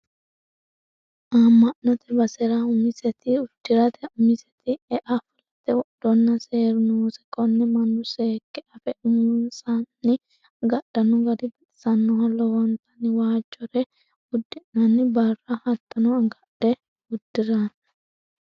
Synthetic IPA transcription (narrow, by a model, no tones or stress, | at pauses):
ʔaːmːɐʔnɔt̪ɛbɐsɛɾaʊmɪsɛt̪ɪʊd̪̥ːɪɾɐt̪ʰɛʊmɪsɛt̪ɪɛʔafʊlɐt̪ːɛwɔʔd̪̥ɔnːɐseːɾʊnusɛ̥kʼɔnːɛmɐnːʊseːkːɛʔɐfɛʊmʊnsannːɪ | ɡɐɗɐnɔɡɐd̪ɪbɛt̪ɪ̥sɐnːɔhɐlːɔwɔnt̪ɐnɪwaːt͡ʃːɔɾɛ | ʊd̪ːɪʔnɐnːɪbɐrːɐhɐt̪ːɐnɔɐɡɐɗɛ | ʊd̪ːɪɾɐn